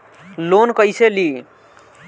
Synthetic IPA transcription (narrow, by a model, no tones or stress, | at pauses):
lonkəjseli